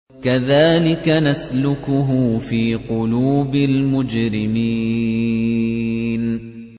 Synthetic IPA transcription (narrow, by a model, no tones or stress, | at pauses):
kaðaːlɪkanaslʊkʊɦʊfiːqʊluːbɪlmʊd͡ʒɾɪmi | n